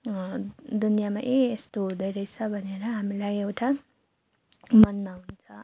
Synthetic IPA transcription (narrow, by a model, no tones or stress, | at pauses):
d̪unijamaʔeːst̪oɦũd̪ʌjɾʌjt͡sʰʌbʱʌneɾʌɦamilajewʈʰa | mʌnmawnt͡sʰʌ